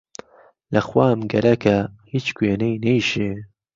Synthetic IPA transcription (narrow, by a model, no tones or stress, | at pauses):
lɐxwaːmɡɐɾɐkʰɐhiːt͡ʃkweːnejnejʃeː